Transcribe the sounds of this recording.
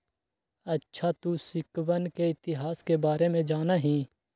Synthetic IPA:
ɐtːʃʰat̪usɪkwənkeɪt̪ɪɦaːskebaːɾemẽd͡ʒaːnaɦĩː

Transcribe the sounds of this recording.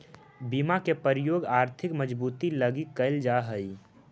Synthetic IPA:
bimakepəɾɪjoːɡaːɾt̪ʰɪkməd͡ʒbuːt̪iləɡikəɪld͡ʒaɦəi

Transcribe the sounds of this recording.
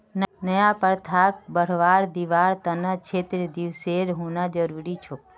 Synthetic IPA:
nnəjãpəɾt̪ʰak̚bəɽ̤ʋaɾd̪iʋaɾt̪ənat͡ʃʰet̪ɾəd̪iʋseɾɦũnad͡ʒəɾuɾit͡ʃʰu

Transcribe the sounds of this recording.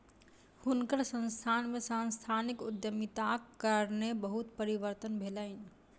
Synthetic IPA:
hʊnkəɾsə̃nst̪ʰaːnmẽsanst̪ʰaːnɪkʊd̪jəmit̪akːəɾnebəɦut̪pəɾiʋəɾt̪ənbʱeːlaɪn

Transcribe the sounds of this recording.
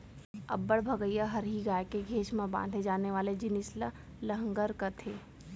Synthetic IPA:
ɐ̰bːəɽbʱɐɡəijaɦɐɾɦiɡaːjkeɡʱeːʃmãbã̰ːnd̪ʱɦẽd͡ʒaːneʋaːled͡ʒɪnɪsla | lɐɦə̃ŋɡəɾkɐt̪ʰeː

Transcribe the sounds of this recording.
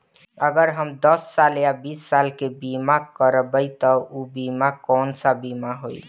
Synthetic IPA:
əɡəɾɦəmd̪əsːaljabisːalkebimakəɾbəjt̪ɔubimakɔnsabimaɦoi

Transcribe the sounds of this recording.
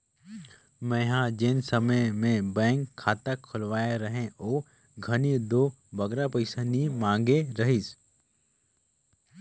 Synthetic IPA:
mɛ̃ːɦãd͡ʒɪnsɐməjmẽbɛ̃ːŋkʰːaːt̪əkʰːʊlʋaːjaɾɐɦẽoː | ɡʱɐnid̪oː | bɐɡɾapɐɪsanimãːŋɡeɾɐɦis

